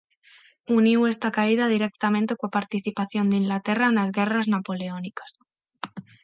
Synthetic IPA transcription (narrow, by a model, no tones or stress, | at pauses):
uniwe̞st̪akaið̞að̞iɾe̞k̚t̪amẽnt̪ekwapaɾt̪iθipaθjo̞nd̪eiŋlat̪e̞raenazɣe̞raznapo̞leonikḁs